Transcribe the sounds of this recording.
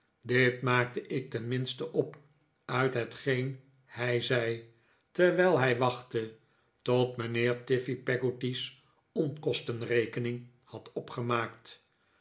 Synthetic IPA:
dɪtmaːk̚təʔɪk̚tɛnmɪnstəʔɔp | œɥtɦətχejn | hɛjzɛj | tɛɹʋɛjlˠɦɛjʋɑχtə | tɔtmənɪːɹtɪfipɛɡotis | ɔnkɔstənrejkənɪŋ | hɑtɔpχəmaːkt

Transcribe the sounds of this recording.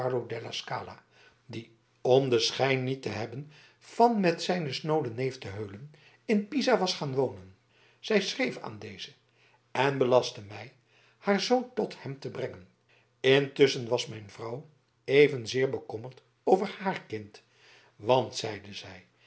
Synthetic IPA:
ɑɹlodɛlaska̰ːla̰ | di | ɔmdəsχɛjnːitəɦɛbən | v̥ɑnmɛtsɛjnəsnowlənejftəɦøɥlən | ɪnpizaʋɑsχaːnʋownən | z̥ɛjsrejfa̰ːndejzə | ɛnbəlɑstəmɛj | haːɹzowntɔthɛmtəbrɛŋən | ɪntʏsənʋɑsmɛjnvrʌw | ejvənzɪːɹbəkɔməɹt | owvəɹhaːɹkɪnt | ʋɑntsɛjdəzɛj

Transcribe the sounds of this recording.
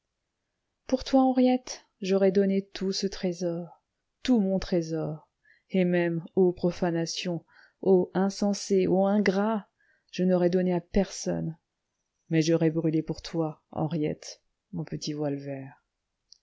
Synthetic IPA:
puʁt̪waɑ̃ʁjɛt̪ | ʒɔʁɛd̪ɔnet̪usət̪χezɔʁ | t̪umɔ̃t̪χezɔʁ | emɛmopχɔfanasjɔ̃ | oɛ̃sɑ̃seoɛ̃ɡʁa | ʒ̥ənɔʁɛd̪ɔneapɛʁsɔ̰n | mɛʒɔʁɛbʁylepuʁt̪waɑ̰̃ʁjɛ̰t̪ | mɔ̃pət̪ivwalvɛʁ

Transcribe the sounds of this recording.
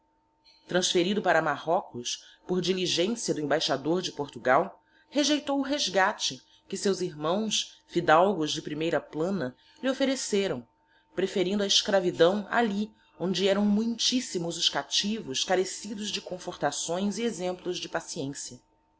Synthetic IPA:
t̪ɾɐ̃sfeɾid̪ʊpaɾɐmaɦɔkʊspoɾd͡ʒiliʒẽsjɐd̪ʊẽbajʃad̪oɾd͡ʒɪpoɾt̪uɡaw | heʒejt̪owʊɦeʒɡat͡ʃɪ | kɪsewziɾmɐ̃w̃sfid̪awɡʊzd͡ʒɪpɾimejɾɐplɐ̃nɐ | liofeɾeseɾɐ̃w̃ | pɾefeɾĩnd̪ɐiʃkɾavid̪ɐ̃w̃a̰li | õnd͡ʒɪɛɾɐ̃w̃mũj̃t͡ʃisimʊzʊʃkat͡ʃivʊskaɾesid̪ʊzd͡ʒɪkõfoɾt̪asõj̃ziezẽmplʊzd͡ʒɪpasiẽsjɐ

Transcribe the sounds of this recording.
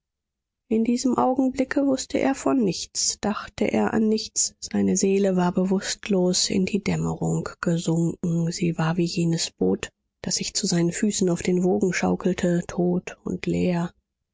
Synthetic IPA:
ʔɪndiːzəmʔaʊɡŋ̩blɪkʰəvʊstʰəʔḛːɐfɔnːɪçt͡sd̥aχtəʔḛːɐʔa̰nːɪçt͡sz̥aɪnəzeːləvaːɐbəvʊstloːsɪ̰ndiːdɛməʁʊŋɡ̥əzʊŋkŋ̩z̥iːvaːɐviːjeːnəsb̥oːt | d̥asz̥ɪçt͡suzaɪnənfyːsn̩aʊfd̥eːnvoːɡŋ̩ʃaʊkl̩tʰətʰoːtʊ̰ntʰleːɐ

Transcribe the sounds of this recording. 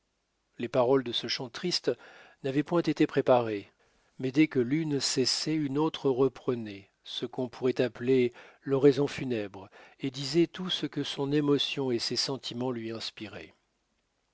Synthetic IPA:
lepaʁɔld̪əsəʃɑ̃t̪χist̪navɛpwɛ̃t̪et̪epχepaʁe | mɛd̪ɛkəlynsɛsɛynot̪χəʁəpχənɛ | səkɔ̃pʰuʁɛt̪aplelɔʁɛzɔ̃fynɛbʁed̪izɛt̪usəkəsɔ̃nemɔsjɔ̃esesɑ̃t̪ʰimɑ̃lɥiɛ̃spiʁɛ̰

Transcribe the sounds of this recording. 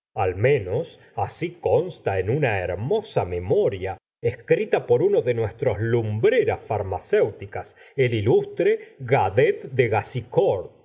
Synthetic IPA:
almẽ̞nos | asikonst̪aenunaeɾmo̞same̞mo̞ɾja | eskɾit̪apo̞ɾunoðenwest̪ɾo̞slumbɾeɾasfaɾmasewt̪ikas | elilust̪ɾeɣaðet̪d̪eɣasikoɾð

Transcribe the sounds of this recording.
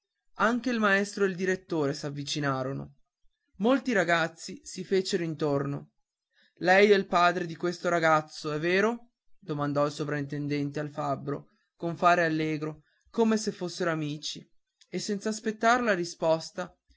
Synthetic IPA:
aŋk̟eilmaɛst̪ɾoeld̪iɾet̪ːoːɾesavːit͡ʃinaːɾono̰ | molt̪iɾaɡat̪sːisifeːt͡ʃeɾoint̪orno̰ | lɛjɛilpaːd̪ɾed̪ikwest̪oɾaɡat̪sːoɛvːeːɾo | d̪̥omand̪ɔilsovɾaint̪end̪ɛnt̪ealfabːɾo | koɱfaːɾealːeːɡɾo | komesefːosːeɾoamiːt͡ʃi | esːɛnt̪saːspet̪ːaɾelaɾispɔst̪a

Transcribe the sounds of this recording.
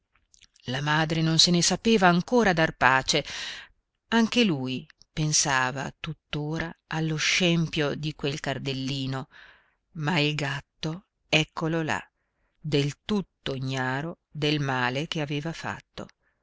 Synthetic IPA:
lamaːd̪ɾenonsenesapeːvaːŋkoːɾad̪arpaːt͡ʃe | aŋk̟eluj | pensaːva̰t̪ut̪ːoːɾaalːoʃːɛmpjod̪ikwelkard̪elːiːno | mailɡat̪ːo | ɛkːolola̰ | d̪elt̪ut̪ːoɲːaːɾo | d̪elmaːlekeaveːvafa̰t̪ːo̰

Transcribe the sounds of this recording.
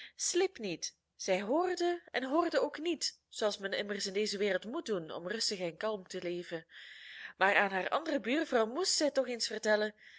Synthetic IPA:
slɪpnit | z̥ɛjɦoːrdəɛnɦoːrdəoːknitz̥oɑlˠsmɛnɪmərsɪndeːzəʋeːrəlˠtmut̚dunɔ̰mrɵstəɣɛnkɑlˠmtəleːvən | maːraːnɦaːrʔɑ̰ndərəbyːrvrɑwmustzɛjtɔxensfərtɛlən

